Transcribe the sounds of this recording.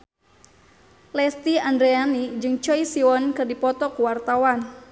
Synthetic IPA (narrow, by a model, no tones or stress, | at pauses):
lɛst̪iandɾeanid͡ʒɨŋt͡ʃɔisiɔnkɨrdipɔt̪ɔkuwart̪awan